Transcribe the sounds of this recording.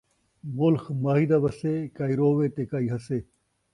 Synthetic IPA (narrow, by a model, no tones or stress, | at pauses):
mʊlxmaːɦid̪abɐsekaːiɾoːʋeːt̪ekaːiɦɐseː